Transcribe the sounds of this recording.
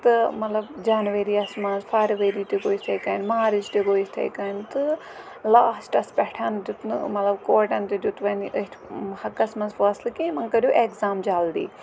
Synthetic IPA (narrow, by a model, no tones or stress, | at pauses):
t̪ɨmɐt̪lɐbd͡ʒaːnʋeɾiːɐsmɐ̃nzfʰaːɾʋeːɾiːt̪ikoːist̪ʰeːkɐːnmaːɾid͡ʒt̪ikoːist̪ʰḛjkɐːnt̪ɨ | laːsʈɐspɛʈʰand͡ʒut̪nɨ̰mɐt̪lɐbkoːʈɐnt̪id͡ʒut̪ʋɐniʔəʈ̪ʰhɐkːɐsmɐnzfɐːslkimɐŋkɐɾuʔeːkzaːmd͡ʒaːld̪ḭː